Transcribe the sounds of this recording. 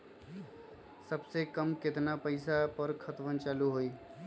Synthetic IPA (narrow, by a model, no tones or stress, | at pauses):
səbsekəmkɪt̪napəɪsapəɾkʰət̪ʋənt͡ʃaːluɦoiː